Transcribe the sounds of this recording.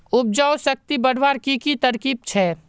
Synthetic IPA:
ʊb̚d͡ʒaːwsɐk̚t̪ibɐɽ̤ʋaːɾkikit̪ɐɾkiːb̚t͡ʃʰɛː

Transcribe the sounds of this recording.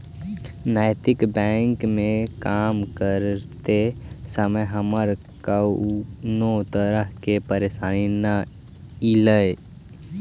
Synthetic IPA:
najt̪ɪkbɛŋkmẽkamkəɾt̪esəməjɦəməɾ | ka | not̪əɾəɦkepəɾesaːnina | iləj

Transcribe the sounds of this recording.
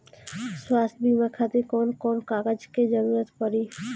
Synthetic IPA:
swast̪ʰbimakʰat̪ekɔnkɔnkaɡad͡ʑked͡ʑɔnuɾat̪pɔɾi

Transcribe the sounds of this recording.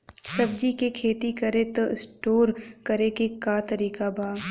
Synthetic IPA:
sɐb̚d͡ʒikekʰeːt̪ikɐɾet̪əsʈoːɾkɐɾekekaːt̪ɐɾiːkabʱaː

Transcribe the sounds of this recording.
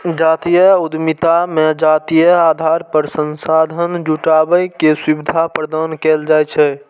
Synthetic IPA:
d͡ʒat̪ijəud̪mit̪amed͡ʒat̪ijəad̪ʱaɾpəɾsənsad̪ʱənd͡ʒuʈabəjkeswibid̪ʱapɾəd̪ankɛld͡ʒajt͡ʃʰɛ

